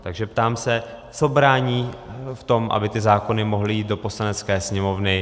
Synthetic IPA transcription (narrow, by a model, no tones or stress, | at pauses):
t̪aɡʒɛpt̪aːmsɛ | t͡so̞bɾaːɲiːft̪o̞mʔa̰bɪt̪ɪzaːko̞nɪmo̞ɦlɪjiːt̪̚do̞po̞slanɛt͡skɛːsɲɛmo̞vnɪ